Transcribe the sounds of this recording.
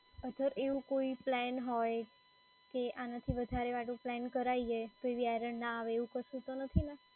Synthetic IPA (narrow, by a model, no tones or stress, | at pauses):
əd̪ʱəɾeʋũkoiplɛnɦɔj | keʔanat̪ʰiʋəd̪ʱaɾeʋaʈũplɛnkəɾaiet̪oeʋiajɾə̃ɳɖnãːʋeːʋũkəʃũt̪onət̪ʰina